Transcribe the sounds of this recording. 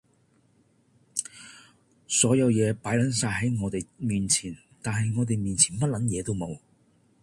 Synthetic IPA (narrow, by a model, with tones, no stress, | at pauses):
sɔː˨˥jɐ˨˧wjɛː˨˧paː˨˥jlɐ˨˥nsaː˧jɦɐ˨˥jŋɔː˨˧t̪e˨jmiː˨nt͡sʰiː˨˩n | t̪aː˨nɦɐ˨jŋɔː˨˧t̪e˨jmiː˨nt͡sʰiː˨˩npɐ˥t̚lɐ˨˥njɛː˨˧t̪o˥wmo˨˧w